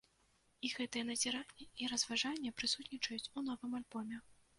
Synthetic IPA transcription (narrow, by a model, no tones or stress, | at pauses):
iɣɛt̪ɨjɛnɐzʲɛɾanʲːɛiɾɐzvaʐanʲːɛpɾɨsut̪nʲit͡ʂɐjut͡sʲun̪ɔvɨmalʲbɔmʲɛ